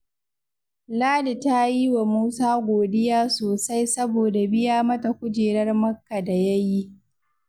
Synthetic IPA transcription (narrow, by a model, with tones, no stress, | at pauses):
laː˦li˨ta˦jiː˦wa˨muː˦saː˦ɡʷoː˨dɪ˦jaː˦soː˨sa˦jsɐ˦boː˨da˨bɪ˦jaː˦mɐ˦ta˨kʷʊ˦d͡ʒeː˨ɽɐ˦rmɐ˦kːa˨da˨jɐ˦ji˦